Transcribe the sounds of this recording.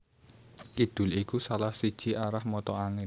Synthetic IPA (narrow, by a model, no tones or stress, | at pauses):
kid̪̥ʊ̤likusalahsid̥ʒ̥iʔaɾahmɔt̪ɔaŋɪ